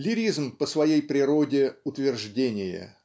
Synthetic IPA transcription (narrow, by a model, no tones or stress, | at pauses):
lʲɪɾʲizmpəsvɐjejpɾʲɪɾo̞dʲɪʊt̪vʲɪrʐdʲenʲɪjə̰